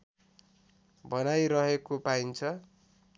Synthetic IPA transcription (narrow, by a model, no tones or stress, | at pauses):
bʱʌnajɾʌɦekopaint͡sʰʌ